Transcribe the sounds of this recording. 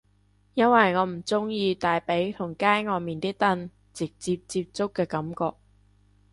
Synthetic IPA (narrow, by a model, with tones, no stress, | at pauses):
jɐ˥nwɐ˨jŋɔː˨˧m̩˨˩t͡sʊ˥ŋjiː˧t̪aː˨jpe˨˥jt̪ʰʊ˨˩ŋkaː˥jŋɔː˨˧miː˨nt̪iː˥t̪ɐ˥n | t͡sɪ˨k̚t͡siː˧p̚t͡siː˧p̚t͡sʊ˥kːɛː˧kɐ˨˥mkɔː˧k̚